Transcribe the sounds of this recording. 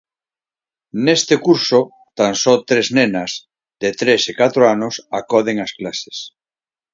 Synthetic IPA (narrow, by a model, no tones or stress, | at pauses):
nest̪ekuɾso | t̪aŋsɔt̪ɾeznenaz | ðet̪ɾesekat̪ɾoanosakɔðeŋasklase̥s